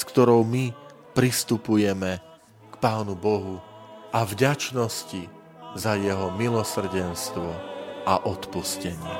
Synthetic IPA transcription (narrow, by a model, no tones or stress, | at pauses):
skt̪ɔɾɔʊmi | pɾist̪upujɛmɛ | kpaːnubɔɦu | ʔavɟat͡ʃnɔsci | zajɛɦɔmilɔsr̩ɟɛnst̪ʋɔaʔɔt̪puscɛɲɪɛ̰